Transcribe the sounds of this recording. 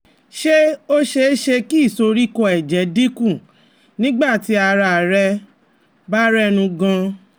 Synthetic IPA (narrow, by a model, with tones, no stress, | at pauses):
ʃe˦o˦ʃe˧˦ʃe˧ki˦i˦˨so˧ɾi˦kɔ˧˨ɛ˨d͡ʒɛ˨˦di˦kũ˦˨ | nĩ˦ɡ͡ba˦˨ti˨˦a˧ɾa˧˨ɾɛ˧ | ba˦ɾɛ˦nũ˧ɡã˧